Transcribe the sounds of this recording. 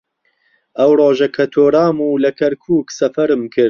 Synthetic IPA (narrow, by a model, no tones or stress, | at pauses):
ʔɐwroːʒɐkʰɐt̪ʰoːɾaːmuːlɐkʰɐɾkʰuːksɐfɐɾɨmkʰɨɾ